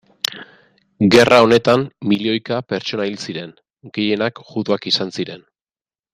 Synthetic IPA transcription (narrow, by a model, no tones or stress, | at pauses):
ɡe̞rʔao̞ne̞t̪ammilio̞jkape̞ɾt͡ʃo̞nailsiɾe̞n | ɡe̞je̞nakʝut̪uakisansiɾe̞n